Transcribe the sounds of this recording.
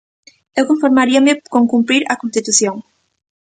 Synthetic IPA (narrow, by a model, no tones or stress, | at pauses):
ewkoɱfoɾmaɾiɐmɪkoŋkumpɾiɾɐkõnst̪it̪uθjoŋ